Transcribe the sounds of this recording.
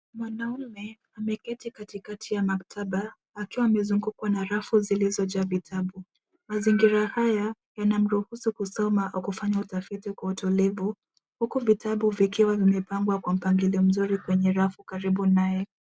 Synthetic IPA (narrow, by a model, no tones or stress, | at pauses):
mwanaumɛ | amɛkɛtikatikatʰijamaktʰaɓaː | kiwaːmɛzuŋɡukwanaɾafuzilizɔd͡ʒavitʰaɓu | maziŋɡiɾahaja | janam̩ɾuhusukusɔmaʔaukufaɲautafitikwautɔlɛvu | hukuvitʰaɓuvikiwavimɛpaŋɡwakwam̩paŋɡiliɔm̩zuɾikwɛɲɛɾafukaɾiɓunajɛ